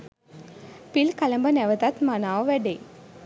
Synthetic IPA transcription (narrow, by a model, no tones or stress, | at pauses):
pilkaləmbənɛʋət̪at̪manaːʋʋæɖej